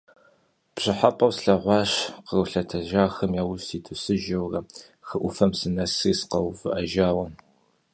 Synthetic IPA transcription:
pɕɪħapʼɐwsɬɐʁʷɑːɕqərəɬɐtʰɐʒaːxɐmjaːwʊstʰiːtʰɨsɨʒɐwrɐ | xɨʔʷʊfɐmsɨnɐsiːsqɐwfɨʔɐʒaːwɐn

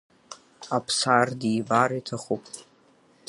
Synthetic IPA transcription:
apʰsardibaɾitʰaχupʼ

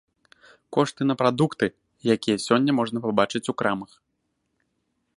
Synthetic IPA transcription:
kɔʂt̪ɨnɐpɾad̪ukt̪ɨ | jakʲijɐsʲɔnʲːɐmɔʐnɐpabat͡ʂɨt͡sʲukɾamɐx

